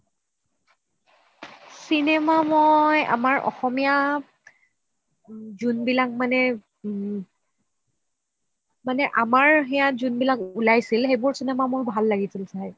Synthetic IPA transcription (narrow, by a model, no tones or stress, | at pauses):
sinɛmamoja̰maɹɔ̰xɔmija | zunbilak̚manɛ | manɛʔamaɹɦɛjazunbilakulajsilxejbʊɹsinɛmamʊɹbʱalːaɡisilsaj